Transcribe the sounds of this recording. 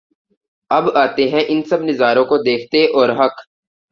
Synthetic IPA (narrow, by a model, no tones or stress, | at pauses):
ɐbaːt̪eɦɛ̃ʔɪnsɐbnɪzaːɾõkod̪eːkʰt̪eʔɔːɾɦɐk